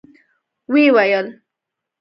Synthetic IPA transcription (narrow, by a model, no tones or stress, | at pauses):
wewajəl